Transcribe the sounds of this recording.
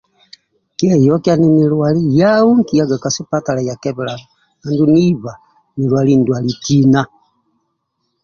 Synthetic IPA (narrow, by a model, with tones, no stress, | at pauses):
kɛ˦jɔ˦kja˦ni˦ni˨lwa˨li˦ja˦u˦ŋki˨ja˦ɡa˨ka˨su˦pa˦ta˨la˨ja˨kɛ˦βɛ˨la˨ | na˨ndu˦ni˦βa˨ | ni˨lwa˨li˦n˨dwa˨li˨ti˦na˦